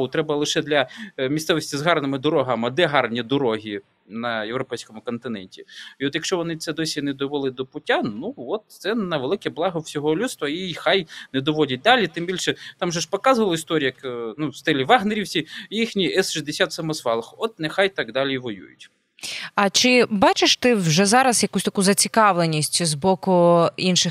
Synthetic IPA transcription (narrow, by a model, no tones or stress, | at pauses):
ʊt̪ɾɛbɐlˠɪʃɛd̪lʲɐmʲist̪sɛʋɔsʲtʲizɦɑrnɪmɪd̪ɔɾɔɦamɐd̪ɛɦɑrnʲid̪ɔɾɔɦʲi | nɐjewɾɔpɛjsʲkɔmʊkɔnt̪ɪnɛnʲtʲiiɔt̪jɐkʃt͡ʃɔʋɔnɪt̪sɛd̪ɔsʲinɛd̪ɔʋolˠɪd̪ɔpʊtʲːanuʋɔt̪̚sɛnɐʋelˠɪkɛblˠɑɦɐwsʲɔɦɔlʲust̪ʋɐjiixajnɛd̪ɔʋɔdʲɐt̚ʲd̪ɑlʲit̪ɪmbʲilʲʃɛt̪amʒɛʃpɔkɑzʊʋɐlˠɪist̪ɔɾʲijɐknust̪ɪlʲiʋɑɦneɾʲiwsʲijixnʲiɛsʃizʲd̪esʲat̪sɐmɔzʋɑlˠɐxɔt̪̚nexajt̪ɑkd̪ɑlʲiʋɔjṵjʊ̰tʲ | ɐt͡ʃɪbɑt͡ʃɪʃt̪ɪwʒɛzɑɾɐsjɐkusʲt̪ɐkuzɐt͡sʲikɑʋlˠenʲisʲzbɔkʊinʃɪx